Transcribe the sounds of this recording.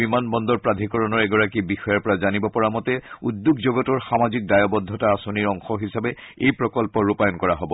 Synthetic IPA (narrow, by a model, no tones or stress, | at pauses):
bimanbɔndɔɹpɹad̪ʱikɔɹɔnɔɹɛɡɔɹakibixɔjaɹpɔɹazanibɔpɔɹamɔtɛudjukzoɡɔtɔɹxamazik̚dajɔbɔd̪ʱːɔtaasɔniɹɔŋxɔɦisabɛejpɹɔkɔlpɔɹupajɔnkɔɹaɦɔbɔ